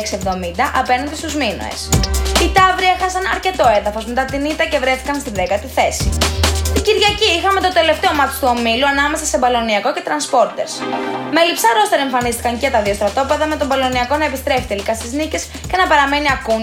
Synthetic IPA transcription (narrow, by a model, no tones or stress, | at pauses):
ksievðo̞mind̪ɐʔɐpe̞nɐnd̪ist̪uzmino̰ḛsit̪ɐvɾiɐexɐsɐnɐ̰ɾce̞t̪o̞eðɐfo̞zmet̪ɐt̪init̪ɐce̞vɾe̞θi̥kɐnst̪iðekɐt̪iθe̞sit̪iɟiɾðʝɐciixɐmet̪o̞t̪e̞le̞ft̪eo̞mɐt̪i̥st̪uo̞miluɐnɐme̞sɐse̞bɐlo̞niɐko̞ce̞t̪ɾɐnspo̞ɾt̪e̞ɾsmelipsɐɾo̞st̪ɐɾeɱfɐnist̪i̥kɐŋceɐt̪ɐðio̞st̪ɾɐt̪o̞pe̞ðɐme̞t̪o̞bɐlo̞niɐko̞nɐe̞pist̪ɾe̞fi̥t̪elikɐst̪iznice̞s | ce̞nɐpɐɾɐme̞niɐku